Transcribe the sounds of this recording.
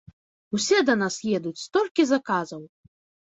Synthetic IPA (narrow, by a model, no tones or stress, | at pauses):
usʲɛd̪ɐnasjɛd̪ut͡sʲst̪ɔlʲkʲizakazɐw